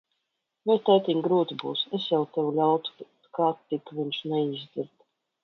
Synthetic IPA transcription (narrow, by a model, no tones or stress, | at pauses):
vɛjt̪ɛjt̪ʲiɲɡɾuːt̪ibṵːsesjawt̪ɛwulʲawt̪u̥ | kat̪ːikviɲʃnɛizd̪iɾd̪